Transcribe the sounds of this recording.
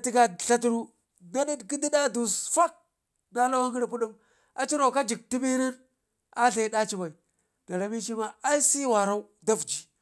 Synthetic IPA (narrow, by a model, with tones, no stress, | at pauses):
ti˦ka˦˨ɬa˦t̬u˦ɾu˦ | na˦ɗi˦dki˦di˦ɗa˦du˨sfa˦k̚ | na˦la˦wa˦ŋɡi˦ɾpu˦ɗu˦m | a˨t͡ʃi˦ɾa˨ka˦d͡ʒi˨k̚ti˦bi˦na˦n | a˦ɬa˨i˦ɗa˦t͡ʃi˦ba˨i˨ | da˨ɾa˨mi˦ʃi˦ma˦a˦i˦si˦wa˨ɾa˦u˦ | da˦vd͡ʒi˨